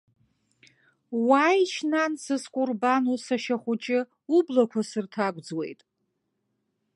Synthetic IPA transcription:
wajʃʰnansɨskʷʼurbanusaʃaχʷʊt͡ʃʼɪ | ublakʷʰasɨrtʰaɡʷʼd͡zwe̞̰jtʼ

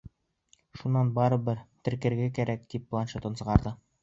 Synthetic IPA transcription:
ʃunːɑnbɑɾɤ̆bɘɾt̪ɘ̆ɾkɘ̆ɾɡækæɾæk̚t̪ip̚ːlˠɑnʃɤ̆t̪ɤ̆nsɤ̆ʁɑɾd̪ɤ

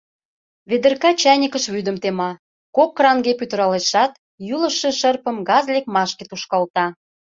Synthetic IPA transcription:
βed̪ə̆rkɑt͡ɕænʲəkəʃβyd̪əmt̪emɑ | kokːrɑŋɡepyt̪ə̆ɾɑleʃɑt̪ | julə̆ʃĕʃərpə̆mɡɑzlʲek̚mɑʃket̪uʃkɑlt̪ɑ

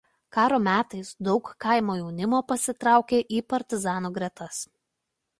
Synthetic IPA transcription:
kɑːɾoːmʲæːt̪ɐɪsd̪ɒʊkkːɐˑɪmoːjɛʊnʲɪmoːpɐsʲɪt̪ɾɑˑʊkʲeːʔiːpɐɾʲt̪ʲɪzɑːnuːɡɾʲɛt̪ɐs

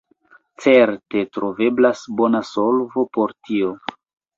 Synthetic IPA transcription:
t͡se̞ɾte̞tɾove̞blasbonasolvo̞poɾtio

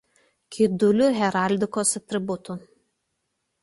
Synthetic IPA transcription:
kʲʰid̪ʊlʲʊɦʲɛɾalʲd̪ʲɪkosɐt̪ʲɾʲɪbʊt̪ʊ

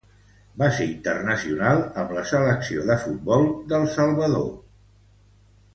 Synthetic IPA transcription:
baseint̪ərnəsiunalˠəmləsələksioðəfut̪̚bɔlˠd̪əlˠsəlˠβəðo̰

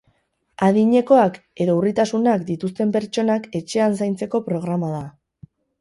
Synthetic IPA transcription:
aðiɲe̞ko̞ak | e̞ðo̞urit̪asunakd̪it̪ust̪e̞mpe̞ɾt͡ʃo̞nake̞t͡ʃe̞ansajnt͡se̞ko̞pɾo̞ɣ̞ɾamað̞a

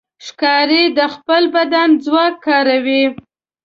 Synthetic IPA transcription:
ʃkɑɾed̪əxpəlbad̪anzwɑkʰːɑɾawi

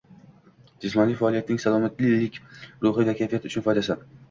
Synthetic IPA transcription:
d͡ʒɪsmɒnijfaːlˠijat̪ɪnɪŋsalˠɒmat̪lɪlɪkʲɾʊɦɪd̪akʲʰajfijat̪ʊt͡ʃʰʊnfɒjd̪asan

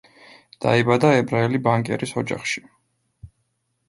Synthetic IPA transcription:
d̪̥a̰ibad̪aɛbɾaɛlibaŋkʼɛ̰ɾisɔd͡ʒa̰χʃi̥

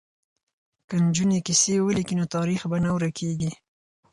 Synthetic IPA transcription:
kənd͡ʒunekisewəlikinot̪ɑɾixbanawɾakʰeɡi

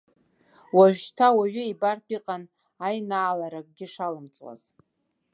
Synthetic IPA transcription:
waʒᶣʃtʰawaɥʏibartʰʷʼiqʼan | ajnaːlaɾak̚ʼɡʲɪʂalɨmt͡sʼwa̰z̥

